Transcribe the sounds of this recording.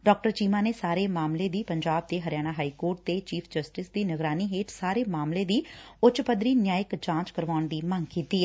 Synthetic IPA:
ɖɔːk̚ʈəɾt͡ʃiːmaːneːsaːɾeːmaːmleːd̪iːpəɲd͡ʒaːb̚d̪eːɦəɾjaːɽ̃aːɦaːiːkoːɾʈ̚t̪eːt͡ʃiːpʰd͡ʒəsʈɪsd̪iːnəɡɾaːniːɦeːʈsaːɾeːmaːmleːd̪iːʊt͡ʃpəd̪ɾiːnjaːjɪkd͡ʒãːnt͡ʃkəɾʋaːʊɳd̪iːməŋɡkiːt̪iː

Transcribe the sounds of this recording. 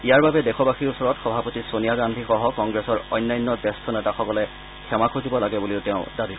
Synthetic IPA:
ijaɹbabɛdɛxʰɔbaxiɹusɔɹɔtxɔbʱapotisonijaɡandʱixɔɦɔkɔŋɡɹɛsɔɹɔ̰jnːajnːɔdɛstʰɔnɛtaxɔkɔlɛ | kʰɛmakʰozibɔlaɡɛbuliʊtɛʊ̃dabi

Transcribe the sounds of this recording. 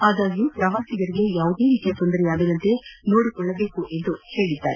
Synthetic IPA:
aːd̪aːɡipɾɐʋaːsiɡɐɾiɡe̞jaːʋud̪e̞ːɾikjɐt̪ɔnd̪ɐɾɛjaːɡinɐnt̪e̞no̞ːɽikɔɭːɐbe̞ːkuʔe̞nd̪uhe̞ːɭid̪ːa̰ːɾe

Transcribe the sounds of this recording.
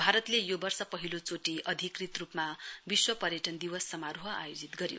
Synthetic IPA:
bʱaɾʌt̪lejobʌrsʌpʌɦilot͡soʈiʔʌd̪ʱikrit̪rupmabiswʌpʌɾjʌʈʌnd̪iwʌsːʌmaɾuɦʌa̰jod͡zit̪ɡʌɾjo̰

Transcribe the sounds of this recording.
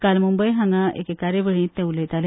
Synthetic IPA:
kalmũmbəjɦãŋɡaʔḛkekaɾebəɽĩt̪eulet̪al

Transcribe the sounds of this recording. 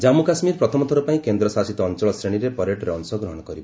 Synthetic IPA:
d͡ʒamukasmiɾpɾɔt̪ʰɔmɔt̪ʰɔɾupaĩkend̪ɾɔsasit̪ɔːnt͡ʃɔɭɔsɾeɽ̃iɾepɔɾeʈɾeɔnsɔɡɾɔɦɔɽ̃ɔkɔɾibɔ

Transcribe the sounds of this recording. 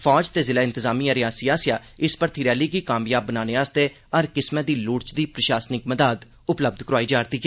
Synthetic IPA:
fʰɔːd͡ʒt̪eːzɪlaːɪ̃nt̪ɪzaːmiːaːɾɪjaːsiːaːsijaː | ɪspəɾt̪ʰiːɾɛːliːɡiːkaːmjaːbːənaːneːaːst̪eː | əɾkɪsmɛ̃ːd̪iːlʊɽt͡ʃd̪iːpɾəʃaːsnɪkməd̪aːd̪ | ʊpləb̚d̪ʱkəɾoaːiːd͡ʒaːɾt̪iːɡ

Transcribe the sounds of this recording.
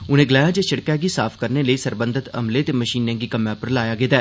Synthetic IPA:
ʊnẽːɡɪlaːjãːd͡ʒeːʃɪɽkɛːɡiːsaːpʰkəɾneːləiːsəɾbə̃nd̪ət̪ə̰mleːt̪eːməʃiːnãːɡiːkəmjãːpəɾlaːjaːɡɪt̪aː

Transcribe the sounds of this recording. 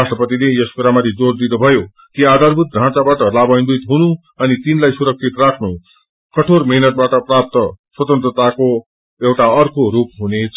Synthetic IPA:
asʈʌpʌt̪inejʌspuɾamat̪ʰid͡zord̪inubʱʌjo | kiad̪ʱarbʱut̪̚ɡʱãt͡sabaʈʌlabʌjnbit̪ɦunu | ʌnit̪inlajsuɾʌk̚t͡sʰit̪rakʰnu | kʌʈʰormiɦnʌʈ̚baʈʌprap̚t̪ʌswʌt̪ʌnt̪rʌt̪ako | ewʈaʌrkoɾup̚ɦunet͡sʰ

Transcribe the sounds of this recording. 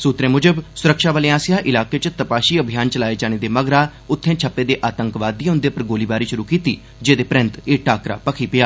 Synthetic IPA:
suːt̪ɾẽːmʊd͡ʒəbsʊɾəkʃaːʋəːleːãːsɪjaːʔɪlaːkeːt͡ʃt̪əpaːʃiːəbʱijaːnt͡ʃəlaːeːd͡ʒaːneːd̪eːməɡɾaː | ʊt̪ʰːẽːt͡ʃʰəpːeːd̪eːʔaːt̪əŋkʋaːd̪iːʊnd̪eːpəɾɡoːliːbaːɾiːʃʊɾuːkiːt̪ḭː | d͡ʒeːd̪eːpɾɪ̃nt̪eːʈaːkɾa̰ːpəkʰiːpɪjaː

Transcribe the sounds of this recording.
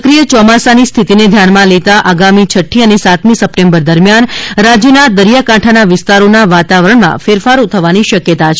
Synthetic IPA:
kɾijət͡ʃɔmasanist̪ʰit̪ined̪ʱjanmãlet̪aʔaɡamit͡ʃʰəʈʰːiənesat̪mĩsəpʈẽmbəɾd̪əɾmjanɾad͡ʒjənad̪əɾjakãʈʰanaʋɪst̪aɾonaʋat̪aʋɾəɳmã̰feɾfaɾut̪ʰəʋaniʃəkjət̪at͡ʃʰ

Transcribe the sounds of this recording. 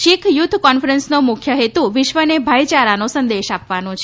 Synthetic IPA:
ʃikʰjut̪ʰkɔnfɾənsnomʊkʰjəɦet̪uʋɪʃʋənebʱajt͡ʃaɾanosə̃nd̪eʃapʋanot͡ʃʰe

